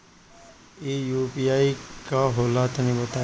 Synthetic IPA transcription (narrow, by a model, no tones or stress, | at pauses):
ejuːpiaːikaɦoːlaːt̪nĩbɐt̪aː